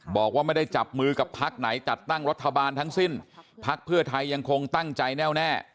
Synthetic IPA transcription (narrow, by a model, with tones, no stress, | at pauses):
bɔː˨˩k̚waː˥˩a˥˩jda˥˩jt͡ɕa˨˩p̚mɯː˧ka˨˩pʰa˦˥k̚na˩˦jt͡ɕa˨˩t̪ːa˥˩ŋɾa˦˥t̪ʰːa˧baː˧nt̪ʰa˦˥ŋsi˥˩npʰa˦˥k̚pʰɯ˥˩ɐt̪ʰa˧jːa˧ŋkʰo˧ŋt̪a˥˩ŋt͡ɕa˧jnɛː˥˩wnɛː˥˩